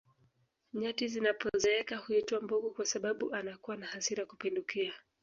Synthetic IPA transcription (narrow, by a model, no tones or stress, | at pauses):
ɲatizinapɔzɛɛkahuituambuɡukwasaɓaɓuʔanakuwanahasiɾakupindukia